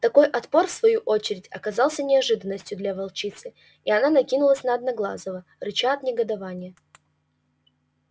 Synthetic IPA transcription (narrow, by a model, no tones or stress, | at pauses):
t̪ɐko̞jʔɐt̪po̞rfsvɐjuʔo̞t͡ɕɪɾʲɪdʲɐkɐzɑlˠsʲənʲɪɐʐɨd̪ənːəsʲtʲjʊd̪lʲavɐlˠt͡ɕit̪sɨ | iɐnanɐkʲinʊlˠəsʲnɐɐd̪nɐɡlˠa̰zəvərɨt͡ɕaɐt̪nʲɪɡəd̪ɐvanʲɪjə